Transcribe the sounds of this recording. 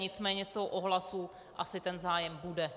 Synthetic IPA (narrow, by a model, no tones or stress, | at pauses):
ɲɪt͡smɛːɲɛst̪oɦoʔoɦlasu | ʔasɪt̪ɛnzaːjɛmbudɛ